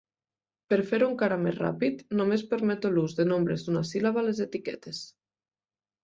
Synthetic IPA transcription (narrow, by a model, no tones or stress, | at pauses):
peɾfeɾuŋkaɾamḛzra̰pit̪nomespeɾmɛt̪oluzðenombɾezd̪unasilaβalezet̪ikɛt̪es